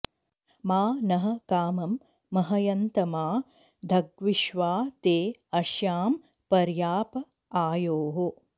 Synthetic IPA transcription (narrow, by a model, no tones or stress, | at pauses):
maːnɐɦɐkaːmɐmː | ɐɦɐjɐnt̪ɐmaː | d̪ʱɐɡʋiʃʋaːt̪eːɐʃjaːm | pɐɾjaːpɐ | aːjoːɦo